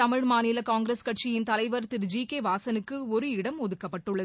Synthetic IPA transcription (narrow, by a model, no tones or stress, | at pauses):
ɐmɪɻmaːnɪlɐkaːŋɡɾeskɐʈ̚t͡ʃɪjɪnt̪ɐlɐɪʋɐɾt̪ɪɾd͡ʒiːkeːʋaːsɐnɯkːɯɔɾɯɪɽɐmɔðɯkːɐpːɐʈːɯɭːɐ